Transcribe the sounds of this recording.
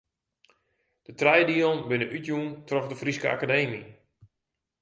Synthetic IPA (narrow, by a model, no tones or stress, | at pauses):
d̥ətrɛjdiəlˠnbɪnəʔytjuntrɔfdəfriskəa̰kadeːmḭ